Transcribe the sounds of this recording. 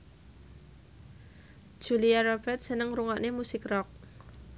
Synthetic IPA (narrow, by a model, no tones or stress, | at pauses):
d̥ʒ̥ṳliaɾɔb̥ɛrt̪̚sənəŋɾuŋɔʔnemusɪkrɔk̚